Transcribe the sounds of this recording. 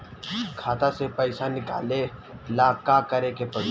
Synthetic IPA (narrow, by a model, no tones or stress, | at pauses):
kʰaːt̪asepəɪsanɪka̰ːlelaːkakəɾekepɐ